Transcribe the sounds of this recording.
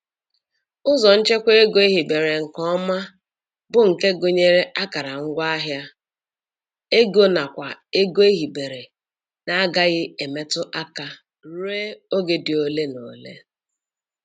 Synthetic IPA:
ʊ˦zɔ˨n̩˦t͡ʃe˦kʷe˦e˦ɡo˦e˦ɦi˨be˨ɾe˨ŋ̩˨kɔ˦ma˦ | bʊ˦ŋ̩˨ke˦ɡo˨ɲe˦ɾe˦ʔa˦ka˨ɾa˨ŋ̩˦ɡʷa˦a˦ɦja˦ | e˦ɡo˦na˨kʷa˨e˦ɡo˦e˦ɦi˨be˨ɾe˨ | na˦a˦ɡa˦ɣɪ˦e˨me˦tʊ˦ʔa˦ka˦ | ɾe˦o˦ɡe˨dɪ˨o˨le˦no˨lḛ˦

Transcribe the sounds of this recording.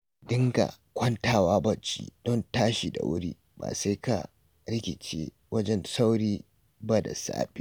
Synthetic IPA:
dɪ˦ŋɡa̰˨ | kʷɐ˦ntaː˦˨waː˦bɐ˦˨t͡ʃḭː˦d̥ɔ˦ntaː˦ʃi˨da̰˨wʔʊ̰˦ɾiː˦ | ba̰ː˨sa˦jka̰˨ | ɾɪ˦kʲɪ˨t͡ʃeː˦ | wɐ˦d͡ʒɛ˦nsa˦wɽiː˦ | ba˦da̰˨sa̰ː˦bi˦

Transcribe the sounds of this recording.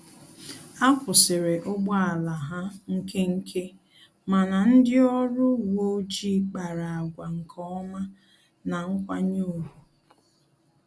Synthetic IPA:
a˦kʷʊ˨sɪ˨ɾe˨ʔʊ˦ɡ͡bɔ˦a˨la˨ɦa˦ŋ̩˦ke˦ŋ̩˦kʰe˦ | ma˨na˨n̩˦dɪ˦ɔ˦ɾʊ˦wo˦d͡ʒi˦k͡pa˨ɾa˨a˨ɡʷa˨ŋ̩˨kʰɔ˦ɔ˦ma˦ | na˨ŋ̩˦kʷa˦ɲu˦˨ɾu˨

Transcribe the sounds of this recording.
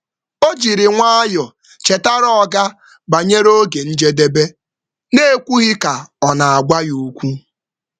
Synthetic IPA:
o˦d͡ʒi˨ɾɪ˨ŋʷa˦a˦jɔ˨ | t͡ʃe˨ta˦ɾɔ˦ɔ˦˨ɡa˦ | ba˨ɲe˦ɾo˦ɡe˨n̩˦d͡ʒe˦de˦be˦ | ne˦e˦kʷu˦ɣɪ˦ka˨ɔ˨na˨a˨ɡʷa˦jo˦kʷu˦

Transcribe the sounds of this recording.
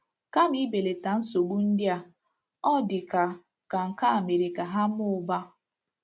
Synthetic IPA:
ka˦m˦i˦be˨le˨ta˨n̩˦so˨ɡu˦n̩˦dja˨ | ɔ˦dɪ˨ka˨ | ka˨ŋ̩˨ka˦a˨me˨ɾe˨ka˨ɦa˦m˦ʊ˦˨ba˦

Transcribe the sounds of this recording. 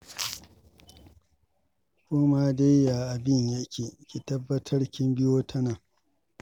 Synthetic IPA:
kʷoː˦ma˦de˦jja˨ʔa˨bɪ˦ɲja˦kʲʰeː˨kʲi˨tɐ˦bːɐ˦tʰɐ˦rkʲɪ˦mbɪ˦joː˦tʰɐ˦naː˨

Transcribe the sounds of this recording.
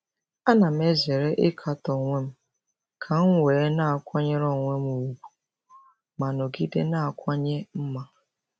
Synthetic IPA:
a˦na˨m̩˦e˦ze˨ɾe˦ʔɪ˦kʰa˨tɔ˨ŋʷe˦m̩˦ | kʰa˨ŋ̩˦wʷeː˨˦na˦a˨kʷɔ˦ɲe˦ɾɔ˦ŋʷe˦m˦u˨ɡu̥˨ | ma˨nʊ˨ɡi˦de˦na˦a˨kʷa˦ɲe˦m̩˦ma˦

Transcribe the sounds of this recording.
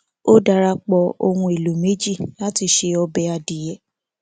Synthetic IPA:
o˦da˧ɾa˧k͡pɔ˧o˧hũ˧e˨lo˨me˨˦d͡ʒi˦˨la˦ti˧ʃe˧ɔ˧bɛ˨a˧di˨jɛ˨˦

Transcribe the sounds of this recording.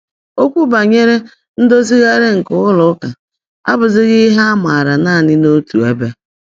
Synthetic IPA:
o˦kʷu˦ba˨ɲe˦ɾe˦ | n̩˦do˦zi˦ɣa˦ɾe˦ŋ̩˨kʊ˦ɣʊ˦lʊ˨˦ka˨ | a̰˦bʊ˨zɪ˦ɣɪ˦ɦa˦a˦ma˨a˨ɾa˨na˦˨nɪ˦no˦tu˨e˦be˦

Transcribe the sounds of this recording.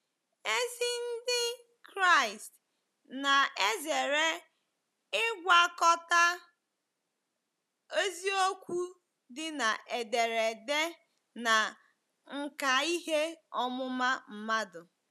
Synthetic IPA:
e˦si˦n̩˦dɪ˦ | kɾa˦˨ɪ˨st | na˨e˦ze˨ɾe˦ | ɪ˦ɡʷa˦kɔ˦ta˦ | o˦zi˦o˦kʷu˦ | dɪ˦na˨ʔe˨de˨ɾe˨de˦ | na˨ | ŋ̩˦ka˨i˦ɦe˦ɔ˦mʊ˦ma˦m̩˨ma˦dʊ˨

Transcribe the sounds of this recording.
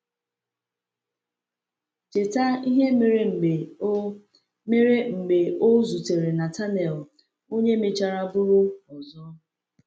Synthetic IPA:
t͡ʃe˨ta˦i˦ɦe˦me˨ɾe˨ŋ͡m̩˨ɡ͡be˨ | me˦ɾe˦ŋ͡m̩˨ɡ͡be˨ʔo˦zu˨te˨ɾe˨na˨ta˦nɛ˨l | o˦ɲe˦me˨t͡ʃa˨ɾa˦bʊ˦ɾʊ˦ɔ˨zɔ˦

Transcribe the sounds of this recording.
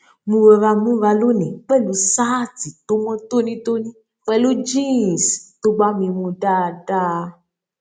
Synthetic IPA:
mũ˧we˧va˧mũ˦va˧lo˦nẽ˨k͡pɛ˦˨lũ˨˦sa˦ti˨t̪o˦mɔ̃˦t̪o˦nĩ˦t̪o˦nĩ˦ | k͡pɛ˦lo˦d͡ʒi˦˨st̪o˦ɡ͡ba˦mĩ˧mũ˧ɖa˦˨ɖa˦

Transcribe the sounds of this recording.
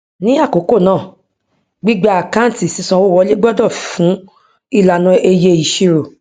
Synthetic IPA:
nĩ˦a˦˨ko˨˦ko˦˨nãː˦˨ | ɡ͡bi˦ɡ͡ba˧a˨kã˦n̩˨ti˨sĩ˨˧sã˧wo˦wɔ˧le˦ɡ͡bɔ˦dɔ˦˨fũ˨˦ | i˦˨la˨nã˧e˧je˧i˨ʃi˧ɾo˨

